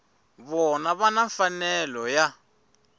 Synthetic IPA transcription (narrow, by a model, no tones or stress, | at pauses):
βɔnaβanaɱfanɛlɔja